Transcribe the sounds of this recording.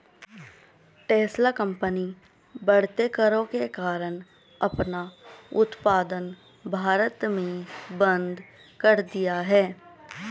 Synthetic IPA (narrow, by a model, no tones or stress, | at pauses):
ʈeːslakə̃mpəni | bɐɽ̤t̪ekəɾõkekaːɾəñ | ɐpnaʊt̪paːd̪ən | bʱaːɾət̪mẽbə̃nd̪ʱ | kɐɾd̪ijaɦɛː